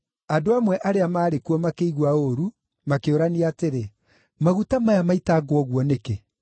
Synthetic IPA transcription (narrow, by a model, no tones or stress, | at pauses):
adoamwɛʔaɾeamaːɾekuɔmakeiɣwaoɾu | makeoɾaniaːteɾe | maɣutamajamaitaɡwɔɣwɔneke